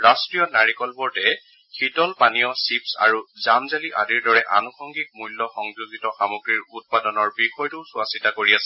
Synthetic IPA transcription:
ɹastɹijɔnaɹikɔlbɔɹtɛ | xitɔlpanijɔsipsa̰ɹuzamzaliʔa̰diɹdɔɹɛʔa̰nukʰɔŋɡik̚mulːɔxɔŋzuzitɔxamoɡɹiɹut̚padɔnɔɹbixɔjtʊsʊasitakoɹiasɛ̥

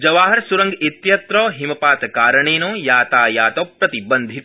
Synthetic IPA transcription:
d͡ʒɐʋaːɦɐɾsuɾɐŋɡit̪jɐt̪ɾoːɦimɐpaːt̪ɐkaːɾɐɳeːnoːjaːt̪aːjaːt̪oːpɾɐt̪ibɐnd̪ʱit̪

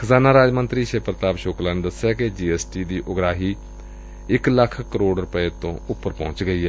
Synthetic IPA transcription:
kʰəzaːnaːɾaːd͡ʒmənt̪ɾiːʃeːpəɾt̪aːbʃoːklaːned̪əsɛːked͡ʒiːɛːsʈiːd̪iːʔʊɡɾaːɦiː | ɪkləkʰkəɾoːɖɾʊpəeːt̪õ̰ːʊpːəɾpɔ̰̃ːt͡ʃɡəiːɦɛː

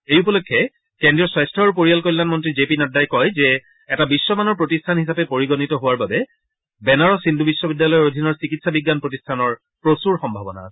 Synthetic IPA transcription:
ejupɔlokʰːɛ | kendɹiɔswajstʰɔɹp̬oɹijalkolːanmɔntɹizepinaddajkɔjzɛ | ɛtabisːɔmanɔɹpɹotistʰanhisapɛpoɹiɡɔnitɔɦʊwaɹbabɛ | bɛnaɹɔsindubisːɔbidːjalɔjɔɹod̪ʱinɔɹsikitsabiɡːanpɹotistʰanɔɹ | pɹosuɹxɔmbʱabɔna̰

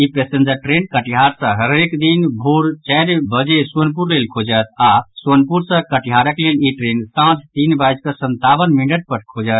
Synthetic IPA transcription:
ipesend͡ʒəɾʈɾenkəʈiɦaɾsə̃ɦəɾekd̪inbʱoɾt͡ʃɛjɾbəd͡ʒesuənpuɾlelkʰod͡ʒət̪ʰasuənpuɾsə̃kəʈiɦaɾəkleliʈɾensãt̪ʰt̪inbajd͡ʒkəsənt̪aβənmiɳɖəʈ̚pəɾkʰod͡ʒət̪̚ʰ

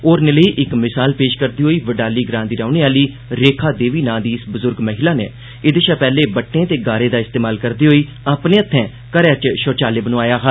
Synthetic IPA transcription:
oːɾneləiːʔɪkmɪsaːlpeːʃkəɾd̪iːɦoːiːʋəɖaːliːɡɾãːnd̪iːɾaːneːaːliː | ɾeːkʰaːd̪eːʋiːnãːd̪iːɪsbʊzʊɾɡməɦɪlaːnḛː | ɪd̪eʃaːpɛːleːbəʈːẽːt̪eːɡaːɾẽːd̪aːɪst̪eːmaːlkəɾd̪iːɦoːiː | aːpnẽːət̪ʰːɛ̃ː | kəɾɛːt͡ʃʃoːt͡ʃaːleːbənõːaːjaːɦa

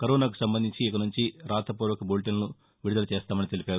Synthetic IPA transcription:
kɐɾɔːnaːku̥sɐmbɐnd̪iɲt͡ʃiːkɐnuɲt͡ʃiɾaːt̪ɐpuːɾʋɐkɐbolʈinnu | ʋiɽd̪ɐlɐt͡ʃɛːst̪aːmɐnit̪e̞lipaːɾu

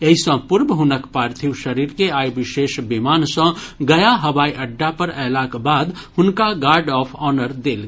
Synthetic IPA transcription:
ɐisə̃pʊɾbɦʊnəkpaːɾt̪ʰiwʃəɾiːɾkeaːjbɪʃeːʃbimaːnsə̃ɡɐjaɦɐʋaːiʔɐɖːapəɾɛːlakbaːd̪hʊnkaɡaːɾɖɔːpʰɔːnəɾd̪eːl

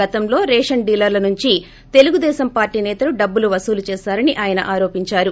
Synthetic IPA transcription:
ɐt̪ɐmlo̞ːɾɛːʂɐɳɖiːlɐɾlɐnuɲt͡ʃi | t̪e̞luɡud̪ɛːsɐmpaːɾʈiːnɛːt̪ɐluɖɐbːuluʋɐsuːlut͡ʃɛːsaːɾɐniʔaːjɐnɐ̰ʔaːɾo̞ːpiɲt͡ʃaːɾu

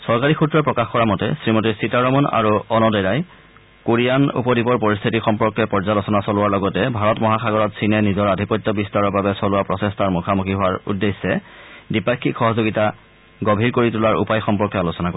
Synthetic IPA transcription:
sɔɹkaɹixutɹɔpɹɔkaxkɔɹamɔtɛ̰sɹimotisitaɹɔmɔna̰ɹuɔnɔdɔɹaj | koɹijanṵpɔdibɔɹpoɹist̪ʰitixɔmpɔɹkːɔpɔɹzalɔsɔnasɔlʊwaɹlɔɡɔtɛbʱaɹɔtmɔɦaxaɡɔɹɔtsʰinɛnizɔɹadʱipɔjtːɔbistaɹɔɹbabɛsɔlʊwapɹɔsestaɹmukʰamukʰiɦʊwaɹṵdːesːɛdipakʰːikxɔɦɔzoɡita | ɡobʱiɹkoɹitulaɹṵpajxɔmpɔɹkjɔalusɔnako

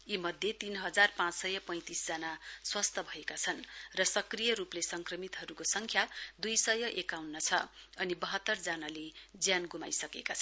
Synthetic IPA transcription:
jimʌd̪ʱjet̪inɦʌd͡zarpãt͡ssʌjʌpʌ̃j̃t̪isd͡zʌnaswʌst̪ʰʌbʱʌekat͡sʰʌnrʌsʌkrijʌɾuplesʌŋkrʌmit̪ɦʌɾukosʌŋkʰjad̪ujsʌjʌʔekawnːʌt͡sʰʌʌnibʌɦʌt̪ːʌrd͡zanaled͡zjanɡuma̰jsʌkekat͡sʰʌ

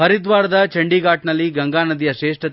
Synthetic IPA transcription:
ɐɾid̪ʋaːɾɐd̪ɐt͡ʃɐɳɖiːɡaːʈnɐlːiɡɐŋɡaːnɐd̪ijɐʃeːʂʈɐ

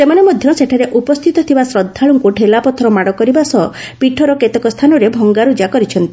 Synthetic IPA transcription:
semanemɔd̪ʱjɔseʈʰaɾeʔupɔst̪ʰit̪ɔt̪ʰibasɾɔd̪ʱːaɭuŋkuʈelapɔt̪ʰɔɾɔmaɽɔkɔɾibasɔ | piʈʰɔɾɔket̪ɔkɔst̪ʰanɔɾebʱɔŋɡaɾud͡ʒakɔɾit͡ʃʰɔnt̪i

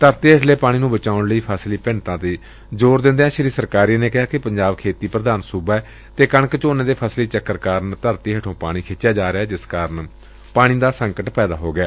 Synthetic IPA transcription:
t̪əɾt̪iːɦəʈʰleːpaːɽ̃iːnũːbət͡ʃaːʊɳləiːpʰəːsliːpɪɳt̪ãːt̪iː | d͡ʒoːɾd̪ɪ̃nd̪eːãːʃɾiːsəɾkaːɾiːneːkɪɦaːkɪpəɲd͡ʒaːbkʰeːt̪iːpɾəd̪aːnsuːbɛː | t̪eːkəɳəkt͡ʃoːneːd̪eːpʰəsliːt͡ʃəkːəɾkaːɾənt̪əɾt̪iːɦəʈʰõːpaːɽ̃iːkʰet͡ʃːjaːd͡ʒaːɾɪɛːd͡ʒɪskaːɾən | paːɽ̃iːd̪aːsəŋkəʈpɛːd̪aːɦoːɡɪaː

